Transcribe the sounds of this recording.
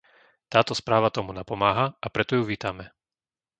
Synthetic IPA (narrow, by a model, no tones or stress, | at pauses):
t̪aːt̪ɔspɾaːʋat̪ɔmunapɔmaːɦaʔapɾɛt̪ɔjuʋiːt̪amɛ